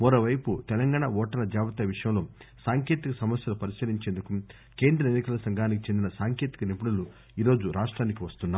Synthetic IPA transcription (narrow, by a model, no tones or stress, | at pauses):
moɾoʋɐjput̪ɛlɐŋɡaːɳaʋɔːʈɐlɐd͡ʒaːʋɐt̪ɐʋiʂɐjɐmlo̞ːsaːŋkjeːt̪ikɐsɐmɐsjɐlupɐɾiskɐliɲt͡ʃeːnd̪uku | ke̞ːnd̪ɾɐenːikɐlɐsɐŋɡʱaːnikit͡ʃend̪inɐsaːŋkjeːt̪i̥kɐnipuɽulu | iːɾo̞ːd͡ʒuɾaːʂʈɾaːnik̬iʋɐst̪unːaː